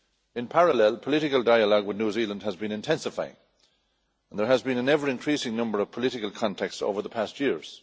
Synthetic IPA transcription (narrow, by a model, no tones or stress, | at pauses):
ɪ̃npʰaɹəlɛlˠpʰəlɪɾɪkəlˠdaɪəlɔɡwɪðnjuːzilə̃nd̚əzbĩnɨ̃ntʰɛ̃nsɨfaɪɪ̰̃ŋ | ə̃nðə˞əzbĩnə̃nɛvə˞ɨ̃nkʰɹ̥isɪ̃ŋnʌ̃mbə˞ʌv̥pʰəlɪɾɪkəlˠkʰɑ̃ntʰɛkstso̰ʊvə˞ðəpʰæstjɪɹz̥